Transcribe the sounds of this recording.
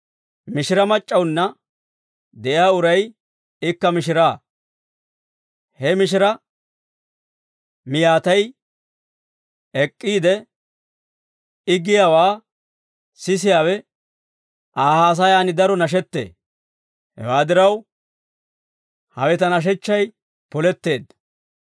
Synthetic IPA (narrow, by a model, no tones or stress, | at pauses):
mɪʃɪɾɐmɐt͡ʃʼːɐwnːɐ | d̪ɛʔɪjaːʊɾɐj | ɪkːɐmɪʃɪɾaː | hɛmɪʃ̬ɪɾɐ | mɪjaːt̪ɐj | ɛkʼːiːd̪ɛ | ɪɡɪjaːwaː | sɪs̬ɪjaːwɛ | ʔaːhaːs̬ɐjaːnɪd̪ɐɾɔnɐʃ̬ɛt̪ːḛː | hɛ̰waːd̪ɪɾɐw | hɐ̰wɛt̪ɐnɐʃ̬ɛt͡ʃːɐj | pɔlɛt̪ːe̞ːd̪